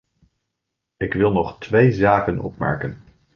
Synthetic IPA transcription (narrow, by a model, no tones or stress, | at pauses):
ɪkʋɪlˠnɔχtʋejzaːkənɔ̰pmɛ̰ɹkən